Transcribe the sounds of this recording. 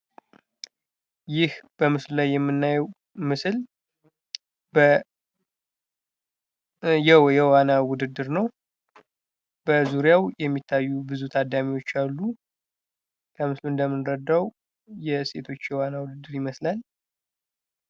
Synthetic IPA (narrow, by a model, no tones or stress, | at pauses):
jɪhb̥əmɨslulajːɛmːɨnːajɛw | mɨsɨl | bə | jɛwjɛwanawʊd̪ɨd̪ːɨɾnəw | b̥əzuɾjawjɛmːit̪ʰːajːubɨzut̪ʰad̪ːamiwo̞t͡ʃːalːu | kʰəmɨsluɨnd̪əmːɨnɾəd̪ːaw | jɛse̞̰t̪ʰo̞t͡ʃːjɛwanawʊd̪ɨd̪ːɨɾɪməslal